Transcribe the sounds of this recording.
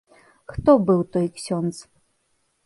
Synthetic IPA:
xt̪ɔbɨwt̪ɔjksʲɔns

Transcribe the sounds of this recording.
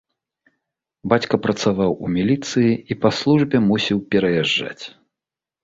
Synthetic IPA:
bat͡sʲkɐpɾɐt̪savawumʲilʲit̪sɨjiipaslˠuʐbʲɛmusʲiwpʲɛɾɐjaʐːa̰t͡sʲ

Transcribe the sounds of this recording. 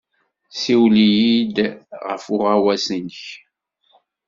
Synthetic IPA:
siwlijid̪ʁə̰fʊʁawæsənəç

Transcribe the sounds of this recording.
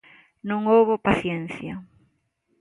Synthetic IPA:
nõŋowβopaθjenθjɐ

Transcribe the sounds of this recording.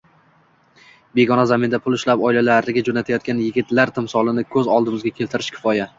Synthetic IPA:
be̞ɡɒnazamɪnd̪apʰʊlˠʊʃlapɒɪlalaɾɪɡʲad͡ʒonat̪ʰajɒt̪̚kʲanjɪɡʲɪt̪laɾt̪ʰɪmsɒlˠɪnɪkʰɵzɒlˠd̪ɪmɪzɡʲakʲʰe̞lt̪ʰɪɾɪʃkʲʰɪ̥fɒja

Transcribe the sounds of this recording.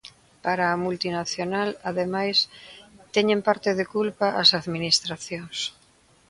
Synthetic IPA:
paɾaːmult̪inaθjonalaðemajst̪ɛɲẽmpaɾt̪ɪðekulpaʔːsaðminist̪ɾaθjoŋs

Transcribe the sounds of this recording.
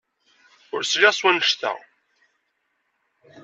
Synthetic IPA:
ʊɾsʒæsˤwænəʃt̪æ̰

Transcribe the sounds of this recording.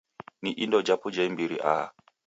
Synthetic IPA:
niʔindɔd͡ʒapud͡ʒaimbiɾiʔa̰

